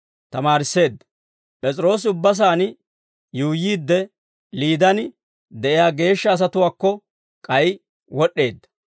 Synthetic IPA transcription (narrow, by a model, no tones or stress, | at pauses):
t̪ɐmaːɾɪsːe̞ːd̪ːɐ | pʼɛt͡sʼɪɾo̞ːs̬ɪʊbːɐs̬aːn | juːjiːd̪ːɛ | liːd̪ɐnɪ | d̪ɛʔɪjaːɡe̞ːʃːɐːs̬ɐt̪ʊwaːkːɔ | kʼɐj | wɔɗːe̞ːd̪ːɐ̥